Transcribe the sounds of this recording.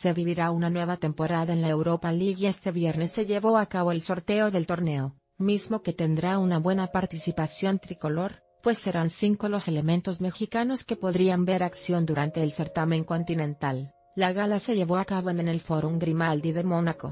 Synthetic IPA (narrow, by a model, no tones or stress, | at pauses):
se̞βiβiɾaunanwe̞β̞at̪e̞mpo̞ɾaðaenlaewɾo̞paliɣe̞st̪e̞βje̞ɾne̞sːe̞ʝe̞βo̞akaβo̞elso̞ɾt̪e̞o̞ðe̞lt̪o̞ɾne̞o̞ | mizmo̞ke̞t̪e̞nd̪ɾaunaβwe̞napaɾt̪isipasjo̞nt̪ɾiko̞lo̞ɾ | pwe̞sːe̞ɾansiŋko̞lo̞se̞le̞mẽ̞nt̪o̞zme̞xikano̞ske̞po̞ðɾiambe̞ɾaksjo̞nd̪uɾant̪e̞ːlse̞ɾt̪amẽ̞ŋko̞nt̪inẽ̞nt̪alː | aɣalase̞ʝe̞βo̞akaβoenene̞lfo̞ɾuŋɡɾimald̪iðe̞mo̞nako̞̰